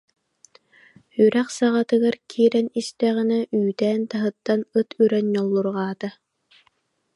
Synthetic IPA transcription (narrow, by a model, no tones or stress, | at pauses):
yɾɛχsaʁat̪ɯɡaɾkʰiːɾɛnist̪ɛʁinɛyːt̪ɛːnt̪aɦɯt̪ːanɯt̪ʰyɾɛɲːɔlˠːuɾʁaːt̪a